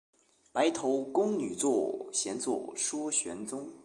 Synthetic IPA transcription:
pa˧˥ɪt̪ʰo˧˥ʊkʊ˥ŋny˨˩t͡swɔ˥˩ɕjɛ˧˥nt͡swɔ̰˥˩ʂwɔ˥ɕɥɛ˧˥nt͡sʊ˥ŋ

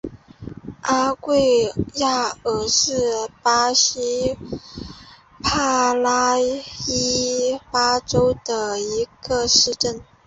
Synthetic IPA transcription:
a˥kwe˥˧ɪja˥˩ə˧˥ʂɻ̩˥˩pa˥ɕi˥ | pʰa˥˧la˥i˥fa˥ʈ͡ʂo˥ʊd̪ə˨i˧˥ɡ̥ə˧ʂɻ̩˥˧ʈ͡ʂə˥˩n

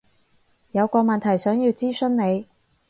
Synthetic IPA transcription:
jɐ˨˧wkʷɔː˧mɐ˨nt̪ʰɐ˨˩jsœː˨˥ŋjiː˧wt͡siː˥sɵ˥nne˨˧j

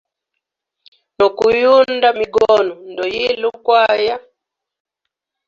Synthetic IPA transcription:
nɔ˨ku˨ju˦nda˦miɡɔ˦nu˨ndɔ˨ji˦lu˦kwaja˦

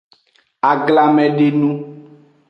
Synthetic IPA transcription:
a˨ɡla˨mɛ̃˨ɖe˦nũ˦

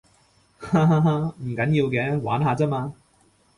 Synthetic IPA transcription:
ha˧ɦa˧ɦa˧m̩˨˩kɐ˨˥nji˧wkɛː˨˥waː˨˥nɦaː˨˧t͡sɛː˥maː˧

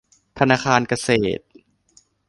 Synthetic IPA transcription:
t̪ʰa˧naː˧kxʰaː˧nka˧seː˨˩t̪̚

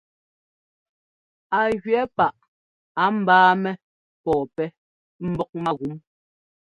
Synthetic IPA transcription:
a˨ɣɥɛ˨˦pa˦˨ʔ | a˨˦m̩˨baː˦mɛ˦ | pɔː˨pɛ˦ | m̩˦bɔ˦k̚ma˦ɣu˨˦m

